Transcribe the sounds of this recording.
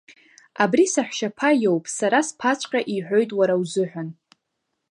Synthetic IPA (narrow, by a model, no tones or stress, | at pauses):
abrisaħʷʃapʰajowpʼsaɾaspʰat͡ʃʷʰʼqʲʼaʔiħʷᶣo̞jtʼwaɾawzɨħᶣʷan